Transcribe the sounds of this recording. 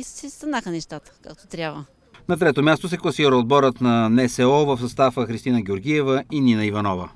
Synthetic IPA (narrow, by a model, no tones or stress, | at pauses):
sɛst̪ɐnaxənɛʃt̪at̪ə̥kak̚t̪ot̪ɾʲabvə | nɐt̪ɾɛt̪omʲjast̪os̬ɛklˠɐsiɾəod̪̚bɔɾət̪nɐnɛsɛɔvəfsɐst̪afəxɾist̪inəɡ̟ʲɛoɾɡʲiɛvəininəivɐnɔvə̰